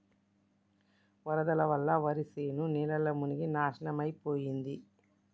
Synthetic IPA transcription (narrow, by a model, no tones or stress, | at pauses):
ʋɐɾɐd̪ɐlɐʋɐlːɐʋɐɾiseːnunɛːlɐlːɐmuniɡinaːʃɐnɐmɐjpoːjind̪i